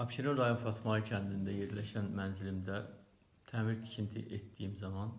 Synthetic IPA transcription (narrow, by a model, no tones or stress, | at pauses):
ɑpʃiɾoɾɑjonfɑt̪ʰmɑɯcʰænd̪ind̪æje̞ɾlæʃænmænzilimd̪æ | t̪ʰæːmiɾt̪ʰi̥cʰint̪ʰḭʔet̪d̪ijimzɑmɑn